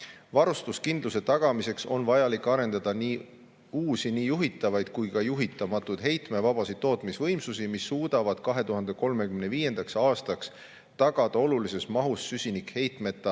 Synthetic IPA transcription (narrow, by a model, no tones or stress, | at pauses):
vɑɾust̪uskind̪luse̞t̪ɑɡ̥ɑmise̞kso̞nvɑjɑlikːˑɑɾe̞nd̪̥ɑd̪̥ɑniː | uːsiniːjuɦit̪ːˑɑvɑjd̪̥̚kujkɑjuɦit̪ːˑɑmɑt̪ːˑud̪̥ɦe̞jt̪me̞vɑb̥ɑsid̪̥ːo̞ːt̪ˑmisvɤjmsusimisːuːd̪̥ɑvɑd̪̥kɑɦe̞t̪uɦɑnd̪eko̞lme̞kymneviːje̞nd̪̥ɑksɑːst̪ɑks | t̪ɑɡ̥ɑd̪̥ɑo̞lulise̞smɑɦusːysʲinikhe̞jt̪ˑme̞t̪ːˑɑ